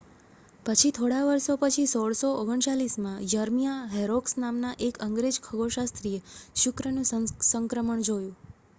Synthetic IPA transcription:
pət͡ʃʰit̪ʰoɽaʋəɾʃopət͡ʃʰisoɽsooɡəɳt͡ʃalismãjəɾmijaɦɛɾoksnamnaʔekəŋɡɾed͡ʒkʰəɡoʃast̪ɾieʃʊkɾənũsəŋkɾəməɳd͡ʒojũ

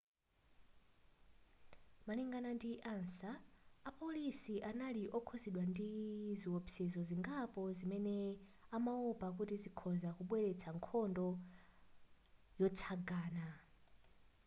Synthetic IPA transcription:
maliŋɡanandiʔansaːpolisiʔanaliʔɔkʰoziɗwandiziwopʰsɛzɔziŋɡapɔzimɛnɛamaupʼak̬utizikʰɔzakuɓwɛɺɛt͡sʰaŋkʰɔndɔ | jɔt͡sʰaɡaːna

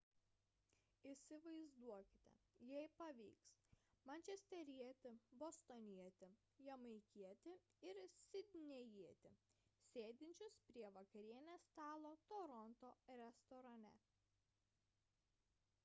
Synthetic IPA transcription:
ɪsʲɪʋɐɪzd̪uɔkʲɪ̥t̪ʲɛ̰jɛɪpɐʋʲḭːksmɐnʲt͡ʃʲɛsʲt̪ʲɛɾʲiɛt̪ʲɪbost̪onʲiɛt̪ʲɪ | jɛmɐɪkʲiɛt̪ʲɪɪɾsʲɪd̪ʲnʲɛjiɛt̪ʲɪsʲeːd̪ʲɪnʲt͡ʃʲʊspʲɾʲiɛʋɐkɐɾʲiɛnʲest̪ɑːlˠoːt̪ɔɾɔnt̪oːɾʲɛst̪ɔɾɐnʲɛ̰

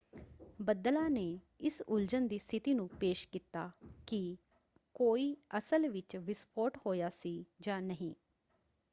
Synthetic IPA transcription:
bəd̪əlaːneː | ɪsʊld͡ʒənd̪iːst̪ʰɪt̪iːnũːpeːʃkiːt̪aːkɪ | koːiːəsəlʋɪt͡ʃʋɪspʰoːʈhoːjaːsiːd͡ʒãːnəɦĩː

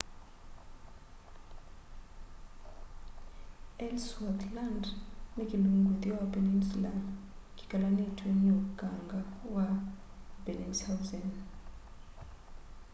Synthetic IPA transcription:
ɛlswɔtʰlandnekʼiluŋɡut̪iapɛnɛnsla̰ndɡi̥kʼalanitʰwɛɲoɡ̥ʱaŋɡawa | bɛnɛnsawzɛn

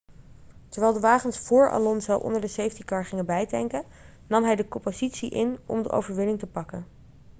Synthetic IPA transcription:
tɛɹʋɛːlˠdəʋaːχənsfʊːɹa̰lɔnzɔwʔɔ̰ndəɹdəsejftikɑɹχɪŋəbɛjdɛŋkə | nɑmɦɛjdəkɔmpozitsiʔɪnɔ̰mdə̰ʔo̰wvəɹʋɪnɪŋtəpɑkən

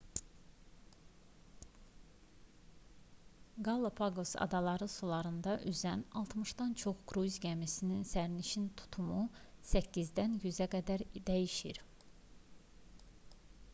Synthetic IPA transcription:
ɡɑlˠopʰɑɡosɑ̰d̪ɑlˠɑɾɯsulˠɑɾɯnd̪ɑʔyzænɑlˠt̪ʰmɯʃd̪ɑnt͡ʃʰo̞χɡɾuzɟæmisininsæɾniʃint̪ʰu̥t̪ʰumusæcːizd̪ænjyzæɡæd̪æɾd̪æjiʃiɾ

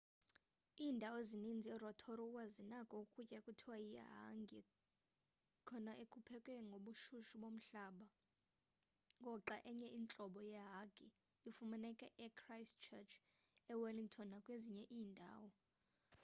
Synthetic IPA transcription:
iːndʱawɔezinind͡zʱiɛrɔtʰɔɾɔuwazinakʼɔukʼucʼɛkʼutʰiwajija̰ɦa̰ŋɡʱɛ | kʰɔnaʔekʰʼupʰɛkʼɛŋɡʱoɓuʃuʃuɓom̩ɬaːɓa | ŋɡʱɔǁaʔɛɲɛʔiːnt͡ɬʼɔɓɔjɛɦaɡʱʼi | ifumanɛkʼɛʔɛkʰrajstt͡ʃʰɛt͡ʃʰ | ɛwaliŋtʰɔnakʼweziɲɛʔiːndʱa̰ːwɔ

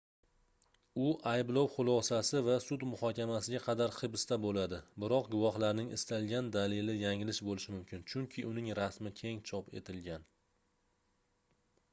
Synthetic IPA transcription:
ʊʔajblˠɒwχʊlˠɒsasɪvasʊd̪mʊhɒkʲʰamasɪɡʲaqʰɑd̪aɾχɨbst̪abolad̪ɪbɪɾɒqɡʊvɒhlaɾnɪŋʔɪ̰st̪alˠɡʲand̪alelɪjaŋɪlɪʃbolɪʃɪmʊmkʲʰɪnt͡ʃʰʊŋkʲʰɪʔʊnɪŋɾasmɪkʲʰe̞ŋt͡ʃʰɒpe̞̰t̪ʰɪlɡʲan

